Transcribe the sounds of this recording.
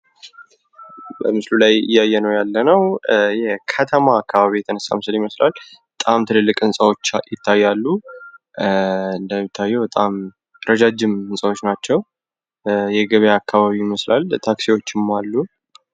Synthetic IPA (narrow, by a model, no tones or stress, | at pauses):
bəmɨslulajɨ̰jːajːɛnəwjalːənəwjɛkʰət̪ʰəmaːkːaβaβijɛt̪ʰənəsːa̰mɨsɨljɪməslalbət̪ʼamt̪ʰɨlɨlːɨkʼɨnsʼawo̞t͡ʃːjɪt̪ʰːajːalːu | ɨnd̪əmɪt̪ʰːajːɛwbət̪ʼam | ɾʔəd͡ʒad͡ʒɪmɨnsʼawot͡ʃːnat͡ʃːɛw | jɛɡəβjaːkːaβaβijɪməslalt̪ʰaksiwo̞t͡ʃːɪmːalːu